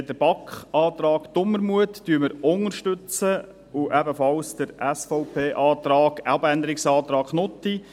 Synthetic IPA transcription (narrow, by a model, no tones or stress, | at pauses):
dəɾb̥ɑkχɑːt̪ɾɑːkd̪̥ʊmːəɾmuətːyːməɾʊŋəɾʃtʏt͡sə | uʔɛbəfɑlsd̪̥əɾʔæsfɔʊpʰeːʔɑːt̪ɾɑːɡ̥ælbænd̪əɾɪksɑːt̪ɾɑːkχnɔt̪i